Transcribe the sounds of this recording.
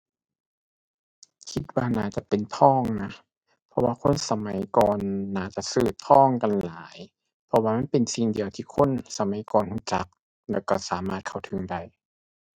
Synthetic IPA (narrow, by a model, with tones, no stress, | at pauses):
kʰi˧t̪̚waː˧naː˧˩t͡ɕa˧˨pe˨nt̪ʰɔː˧˥˨ŋna˧˥ | pʰɔ˧waː˧kʰo˧˥˨nsa˧ma˨˦jkɔː˨nːaː˧˩t͡ɕa˧˦sɯː˧˩t̪̚pʰɔː˥˨ŋka˨nlaː˨˦j | pʰɔ˧waː˧ma˥˨npe˨nsi˧˩ŋdi˨əwt̪ʰiː˧˩kʰo˧˥˨nsa˧ma˨˦jkɔː˨nhuː˧˩t͡ɕa˧˦k̚ | lɛː˧˩wkɔ˧˩saː˨˦ma̰ː˧˩t̪̚kʰa˧˩wt̪ʰɯ˨˦ŋda˧˩j